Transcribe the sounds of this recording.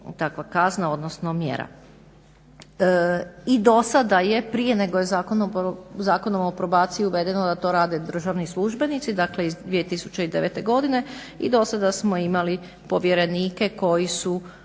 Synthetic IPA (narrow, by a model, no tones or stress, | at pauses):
t̪akʋakaznao̞d̪nosno̞mjḛɾa̰ | id̪o̞sad̪aje̞pɾije̞ne̞ɡojezakonozaːkonomopɾo̞baːt̪siiuʋe̞d̪e̞nod̪at̪o̞ɾaːd̪e̞d̪ɾr̩ʒaʋnislˠuʒbe̞nit̪sid̪akle̞izd̪ʋiet̪isu̥t͡ɕeid̪e̞ʋet̪e̞ɡo̞d̪ine̞ | id̪o̞sad̪asmo̞imali | po̞ʋje̞ɾe̞niːke̞ko̞jisu